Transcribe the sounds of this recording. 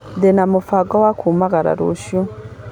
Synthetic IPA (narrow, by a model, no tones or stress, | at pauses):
denamufaɡawakʰumaɡaɾa̰ɾo̰ʃu